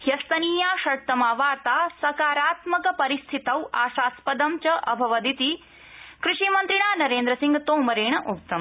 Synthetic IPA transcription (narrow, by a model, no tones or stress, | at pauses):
hjɐst̪ɐniːjaːʃɐɽt̪ɐmaːʋaːɾt̪aːsɐkaːɾaːt̪mɐkɐpɐɾist̪ʰit̪ɐwa̰ːʃaːspɐd̪ɐmt͡ʃɐʔɐbʱɐʋɐd̪it̪i | kɾuʂimɐnt̪ɾiɳaːnɐɾeːnd̪ɾɐsĩŋɡt̪oːmɐɾeːɳ̃ɐʔuk̚t̪ɐm